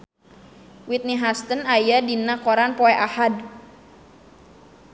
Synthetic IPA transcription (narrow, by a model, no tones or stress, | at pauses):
wit̪̚niɦast̪ənajadinakɔɾanpɔɛʔahad̚